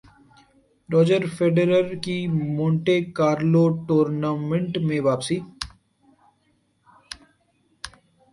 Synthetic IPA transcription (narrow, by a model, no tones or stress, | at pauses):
ɾɔːd͡ʒəɾfeːɖɾəɾkimõːɳʈekaːɾloʈoːɾnaːmẽɳʈmẽʋaːpsiː